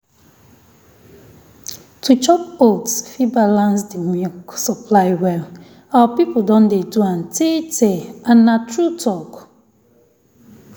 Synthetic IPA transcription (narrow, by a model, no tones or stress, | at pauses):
tʰut͡ʃɔp̚otsfibalãnsdiwiksɔpʰlaɪwɛl | awapipodɔ̃ndeduãntʰetʰeãnːatʰɹutʰɔk